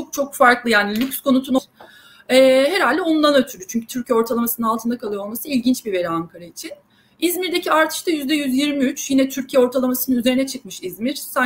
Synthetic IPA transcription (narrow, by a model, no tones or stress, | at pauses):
ok̚t͡ʃʰo̞kfaɾklˠɯjaːnilʲycskʰo̞nut̪ʰuno | ɛːɦe̞ɾalʲd̪ɛo̞nunanøt̪ʰyɾyt͡ʃʰyɲcyt̪ʰyɾcʰijɛo̞ɾt̪ʰalˠamasɯnɯnalˠt̪ʰɯnd̪akʰalˠɯjo̞lˠmasɯilʲɟint͡ʃbive̞ɾiaŋkʰaɾait͡ʃʰin | izmiɾd̪e̞cʰiaɾt̪ʰɯ̥ʃt̪ʰajyzd̪ɛjyzjiɾmiyt͡ʃjinɛt̪ʰyɾcʰijɛo̞ɾt̪ʰalˠamasɯnɯnyzeɾinɛt͡ʃʰɯk̚mɯʃizmiɾ̥sa